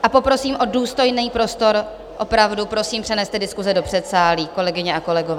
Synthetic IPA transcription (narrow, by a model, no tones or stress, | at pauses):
ʔapo̞pɾo̞siːmʔo̞duːst̪o̞jnɛːpɾo̞st̪o̞ɾ | ʔo̞pɾavdupɾo̞siːmpr̥ɛnɛst̪ɛdɪskuzɛdo̞pr̥ɛt̪saːliːko̞lɛɡɪɲɛʔako̞lɛɡovɛː